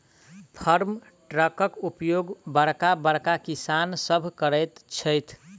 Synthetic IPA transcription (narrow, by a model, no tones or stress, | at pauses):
pʰəɾm | ʈɾəkəkupjoɡbəɽkabəɽkakisansəbʱkəɾəjt̪t͡ʃʰəjt̪ʰ